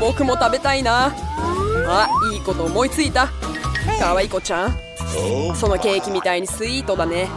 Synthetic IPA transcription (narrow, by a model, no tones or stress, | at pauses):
bo̞kɯ̟mo̞t̪abe̞t̪aina | aiːko̞t̪o̞ːmo̞it͡sɨit̪akaβaiko̞t͡ɕãŋ | so̞nːoke̞ːkʲimʲit̪aiɲ̟isɨiːt̪o̞d̪ane